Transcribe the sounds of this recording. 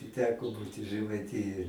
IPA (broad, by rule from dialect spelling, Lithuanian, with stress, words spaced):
ɪ ˈtʲæːkoː ˈbuːtʲɪ ʒɜmɐɪˈtʲɪjoːj